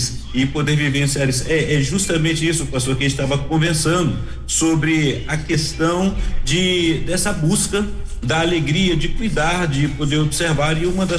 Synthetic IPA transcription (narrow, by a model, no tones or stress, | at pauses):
s | ɪpod̪eɾvivẽsiaɾisʊɛʔɛʒust̪ɐmẽnt͡ʃɪisʊːpast̪oɾkɪẽt͡ʃɪt̪avɐkõvẽsɐ̃nd̪ʊ | sobɾɪɐkest̪ɐ̃w̃d͡ʒɪd̪ɛsɐbuskɐ | d̪ɐːleɡɾiɐd͡ʒɪkujd̪aɾd͡ʒɪpod̪eɾobseɾvaɾɪũmɐd̪ɐ